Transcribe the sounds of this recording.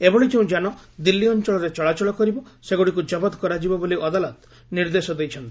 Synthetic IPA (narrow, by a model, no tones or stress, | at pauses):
ebɔɽid͡ʒeũd͡ʒanɔd̪ilːiɔnt͡ʃɔɭɔɾet͡ʃɔɭat͡ʃɔɭɔkɔɾibɔseɡoɽikud͡ʒɔbɔd̪kɔɾad͡ʒibɔboliʔɔd̪alɔt̪ | niɾd̪esɔd̪ejt͡ʃʰɔnt̪i